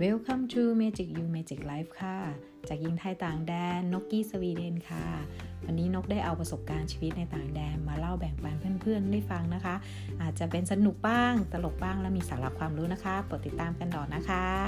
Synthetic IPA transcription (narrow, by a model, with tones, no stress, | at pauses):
we˦˥wkʰa˧˥˩mt͡ɕʰuː˧meː˧t͡ɕi˨˩k̚juː˧meː˧t͡ɕi˨˩k̚laː˦˥jf̚kʰa˧˩ | t͡ɕaː˨˩k̚ji˧ŋt̪ʰa˧jt̪aː˨˩ŋdɛː˧nːo˦˥kːiː˧˥˩sa˧wiː˧de˧nkʰa˧˩wa˧nːiː˦˥no˦˥k̚daː˥˩jʔa˧wpɾa˧so˨˩p̚kaː˧nt͡ɕʰiː˧wi˦˥t̪̚na˧jt̪aː˨˩ŋdɛː˧nmaː˧la˥˩wbɛ˨˩ŋpa˧npʰɯ˥˩ənpʰɯ˥˩ənda˥˩jfa˧ŋna˦˥kʰa˦˥ʔ | ʔaː˨˩t̪̚t͡ɕa˨˩pe˧nsa˧nu˨˩k̚baː˥˩ŋt̪a˧lo˨˩k̚baː˥˩ŋlɛː˦˥wmiː˧saː˩˦la˦˧˥kʰwaː˧mɾuː˦˥na˦˥kʰa˦˥pɯ˨˩ə˩t̪ːi˨˩t̪ːaː˧mka˧nd̪ɔː˨˩nna˦˥kʰa˦˥